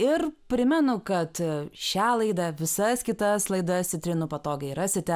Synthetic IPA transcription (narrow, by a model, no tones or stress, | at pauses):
ɪrpʲɾʲɪmʲɛnʊkɐt̪ʃʲæːlˠɐɪd̪ɐʋʲɪsɐskʲɪt̪ɐslˠɐɪd̪ɐst̪ʲɪt̪ʲɾʲɪnʊpɐt̪oːɡʲɐɪɾɐsʲɪt̪ʲɛ